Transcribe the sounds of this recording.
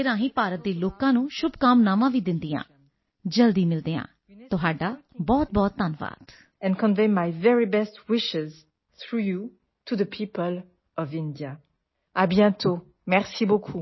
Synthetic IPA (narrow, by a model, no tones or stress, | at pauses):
ɾãːɦĩːpaːɾət̪̚d̪eːloːkãːnũːʃʊbkaːmnaːʋãːʋiːd̪ɪnd̪iːã̰ː | d͡ʒəld̪iːmɪld̪eːã̰ː | tt̪ʊɦaːɖaːbɔːt̪̚bɔːt̪ːənʋa̰ːt̪ | ɛ̃nkɔ̃nvẽmːajvɛɹibɛstwɪʃɪz | θɹuju | tʰuðəpʰipəl | ɔvɪ̃ndia | abjɛ̃t̪ʰo | mɛʁsibokʰu